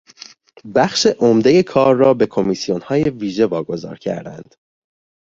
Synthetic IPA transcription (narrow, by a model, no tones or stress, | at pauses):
bæχʃeʔomd̪e̞je̞kʰɒːɾːɒːbe̞kʰo̞misijo̞nhɒːje̞viːʒe̞vɒːɡo̞zɒ̰ːɾcʰæ̰ɾd̪æ̰nd̪̥